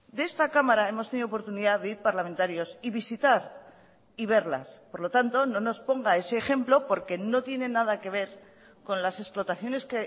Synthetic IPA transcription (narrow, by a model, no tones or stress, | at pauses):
d̪ee̞st̪akamaɾae̞mo̞st̪e̞niðoop̬oɾt̪uniðaðeiɾpaɾlamẽ̞nt̪aɾjo̞siβisit̪aɾ | iβ̞e̞ɾla̰spoɾlo̞t̪ant̪o̞no̞no̞spo̞ŋɡae̞se̞ːxe̞mplo̞po̞ɾke̞no̞t̪je̞ne̞nːað̞ake̞β̞e̞ɾ | ko̞nlase̞splo̞t̪aθjo̞ne̞ske